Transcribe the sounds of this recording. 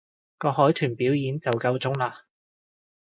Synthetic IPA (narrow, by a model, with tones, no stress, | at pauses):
kɔː˧ɦɔː˨˥jt̪ʰyː˨˩npiː˨˥wjiː˨˧nt͡sɐ˨wkɐ˧wt͡sʊ˥ŋlaː˧